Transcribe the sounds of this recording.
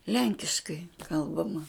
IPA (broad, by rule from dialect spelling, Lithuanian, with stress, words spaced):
ˈlʲɛŋʲkʲɪʃkɐɪ ˈkɐlˠbɐmɐ